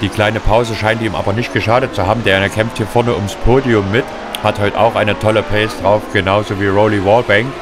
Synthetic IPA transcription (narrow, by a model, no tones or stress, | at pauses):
d̥iːkl̥aɪnəpʰaʊzəʃaɪntʔiːmʔa̰ːbɐnɪçt̚ɡ̥əʃaːdət̚t͡suhaːbm̩deːɐkʰɛmfthiːɐfɪɐnəʊmspʰoːdiʊmːɪt | hathɔʏtʔa̰ʊxʔaɪnətʰɔləpʰɛːsd̥ʁaʊfɡ̥ənaʊzoːviːʁoʊliwɔlbɛŋk